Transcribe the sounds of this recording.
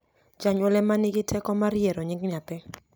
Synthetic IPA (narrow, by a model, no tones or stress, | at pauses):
d͡ʒaɲɔlɛmanɪɡɪtʰɛkɔmaɾjeɾoɲɪŋɡnapɛ